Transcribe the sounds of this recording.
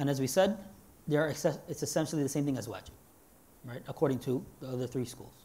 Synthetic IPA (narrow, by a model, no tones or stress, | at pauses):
ɨ̃nɨzwisɛd̪̚ | ðə˞ɨsɛɨtsɨsɛ̃nʃl̩ˠiðɨsẽɪ̃mθɪ̃ŋɨzwɛ̰t͡ʃ | ɹaɪɾəkʰɔɹɾɪ̃ŋtʰɨðiʌðə˞θɹiskṵlˠz̥